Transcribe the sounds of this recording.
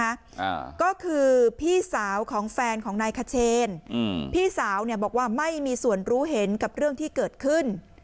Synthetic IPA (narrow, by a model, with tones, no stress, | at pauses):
a̰˦˥˧ | kɔː˥˩kʰɯː˧pʰiː˥˩saː˩˦wkʰɔː˩˦ŋfɛː˧nkʰɔː˩˦ŋnaː˧jkʰa˧t͡ɕʰeː˧npʰiː˥˩saː˩˦wni˥˩əbɔː˨˩k̚waː˥˩ma˥˩jmiː˧su˨˩ənɾuː˦˥ɦe˩˦nka˨˩p̚ɾɯ˥˩əŋt̪ʰiː˥˩kɤː˨˩t̪̚kʰɯ˥˩n